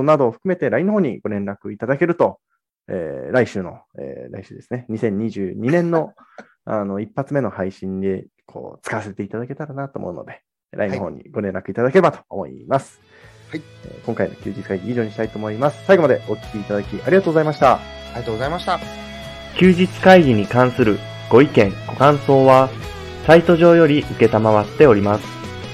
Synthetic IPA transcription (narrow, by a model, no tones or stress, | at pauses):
nad̪o̞ːɸɯ̥kɯ̟me̞t̪e̞ɾainohoːɲ̟ḭɡo̞ɾẽ̞nɾakɯ̟it̪ad̪ake̞ɾɯ̟t̪o̞ | eːɾaiɕɨːno̞̰ | ḛːɾa̰iɕɨːd̪e̞sɨne̞ɲ̟isẽ̞ɲ̟ːiʑɨːɲ̟inẽ̞nːo̞ | ano̞ipːat͡sɨme̞no̞haiɕĩnd̪e̞ | kʰo̰ːt͡sɨ̥kaβase̞t̪e̞it̪ad̪ake̞t̪aɾanat̪oːmo̞̰ɯ̟no̞̰d̪e̞ | ɾʔa̰inoɦõ̞̰ːɲ̟ːḭɡo̞ɾẽ̞nɾakɯ̟it̪ad̪akeɾebat̪o̞̥ːmo̞̰ḭmasɨ̥ | ḛkõ̞ŋkaino̞̰kʲɨ̟ːd͡ʑit͡sɨ̥kaiɡʲiːʑo̞ːɲ̟iɕit̪ait̪o̞ːmoimasɨ̥saiɡo̞mad̪e̞o̞kʲi̥kʲiːt̪ad̪akʲiʔaɾʲiɡat̪oːɡo̞zaimaɕi̥t̪aozmaɕt̪a | kʲɨːʑit͡sɨ̥kaiɡʲiɲ̟ikãɰ̃sɨɾɯ̟ | ɡ̥o̞ikẽ̞ŋɡ̥o̞kãɰ̃so̞ːβa | sait̪o̞ʑo̞ːjo̞ɾʲiʔɯ̟ke̞t̪amaβat̪ːe̞o̞ɾʲimasɨ̥